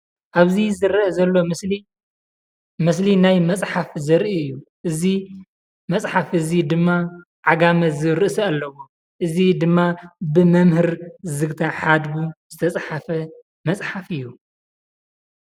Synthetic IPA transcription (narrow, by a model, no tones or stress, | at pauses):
ʔaβzizɨɾɐzɐlːo̞i | mɨslinajmɐt͡sʼħafzɐɾʔiɨjːuʔɨzi | mɐt͡sʼħafʔɨzid̪ɨmːa | ʕaɡamɐzɨɾɨʔsɐalːɐwo | ʔɨzid̪ɨmːabɨmɐmhɨɾzɨɡt̪ʰaħad̪buzɨt̪ʰɐt͡sʼħafɐ | mɐt͡sʼħafɨjːu